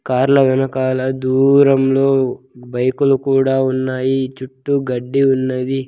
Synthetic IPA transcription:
kaːɾɐlɐʋɛnɐkaːlɐd̪uːɾɐmlo̞ː | bɐjkulukuːɽaːunːaːjit͡ʃuʈːuɡɐɖːiunːɐd̪i

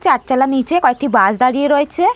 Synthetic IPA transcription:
t͡ʃaʈt͡ɕalanit͡ɕekɔek̚ʈibad͡ʑd̪aɽieɾoet͡ɕʰe

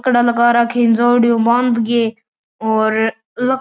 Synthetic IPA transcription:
kɽaːlɐkaːɾaːkʰeːnzoːɽɪjõːbãnd̪ɡeː | oːɾ | lə

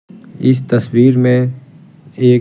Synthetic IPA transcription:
ɪs̬t̪ɐswiːɾmẽ | eː

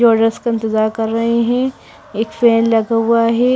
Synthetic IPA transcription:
ɔːɖəskaɪ̃nt̪ɪzaːɾkɐɾːɐɦeɦɛ̃ | eːkfɛːnlɐɡaɦuaɦɛː

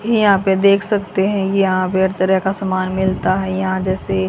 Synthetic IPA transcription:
jɐɦãped̪eːkʰsɐkt̪eɦɛ̃kijɐɦãpeɐɾt̪əɾəkasɐmaːnmɪlt̪aɦɛjɐɦãd͡ʒɛːse

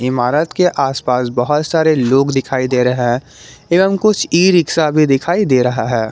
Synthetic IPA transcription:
ɪmaːɾət̪keʔaːspaːsbɐɦʊt̪saːɾeloːɡd̪ɪkʰaːid̪eːɾɐɦeɦɛ̃ | eːʋəmkʊt͡ʃʰiːɾɪksabʱid̪ɪkʰaːid̪eːɾɐɦaɦɛː

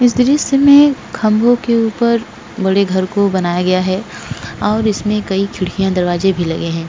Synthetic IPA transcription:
ɪs̬d̪ɾiːsemẽkʰɐ̃mbʱõkeuːpəɾ | bɐɽeɡʱɐɾkobɐnaːjaɡɐjaɦɛ | ɔːɾɪsmẽkɐikʰɪɽkijãd̪ɐɾʋaːzebʱilɐɡeɦɛ̃ː

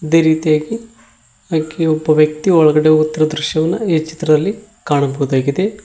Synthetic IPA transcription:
id̪e̞ːɾiːt̪ijaːɡi | akeobːɐʋjɐk̚t̪iɔɭɐɡɐɽeut̪ːɐɾɐd̪ɾuʃjɐʋɐnːɐeːt͡ʃi̥t̪ɾɐd̪ɐlːi | kaːɳɐbɐɣud̪aːɡid̪e̞

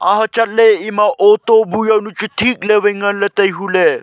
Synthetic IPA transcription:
ã̰ɦət͡ʃɐt̪leimaʔot̪obʱujɐnut͡ʃut̪ʰiːkleʋiŋɡɐnlet̪ɐjɦule

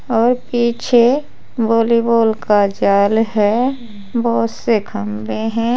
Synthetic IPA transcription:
ɔːɾpiːt͡ʃʰe | boːliboːlkad͡ʒaːlɦɛ | bɔɦt̪sekʰəmbeɦɛ̃ː

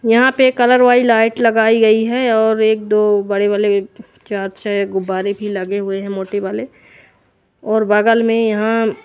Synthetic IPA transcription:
jɐɦãpekɐləɾʋaːilaːɪʈlɐɡaːiɡɐiɦɛɔːɾeːk̚d̪oːbɐɽebale | t͡ʃaːɾʃəɡʊbaːɾebʱilɐɡeɦʊeɦɛ̃moːʈebaːle | ɔːɾbaːɡəlmẽjɐɦã

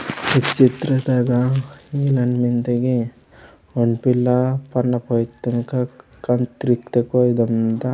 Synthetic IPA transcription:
it͡ʃit̪ɾɐt̪aɡailɐnmint̪ɐɡi | oɳpilːɐpɐnːɐpojt̪ːɐŋkɐkɐnt̪ɾik̚t̪ekojd̪ɐnt̪ɐ

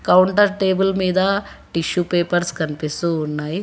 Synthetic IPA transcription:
kɐwuɳʈɐɾʈeːbulmiːd̪ɐʈiʃupe̞ːpɐɾskɐnipist̪uːnːaːji

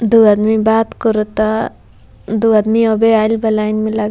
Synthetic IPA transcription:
d̪uɐd̪mibaːt̪kɔɾut̪a | d̪uɐd̪miobeaːlbɐlaːjnmẽlaɡ

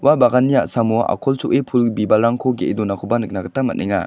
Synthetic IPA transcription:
wabaɡanːiaʔsamua̰kʰɔlt͡ʃuʔepʰulbibalɾaŋkʰɔɡeʔedɔnakʰɔbanɯk̚naɡɐtamːa̰t̚niŋa̰

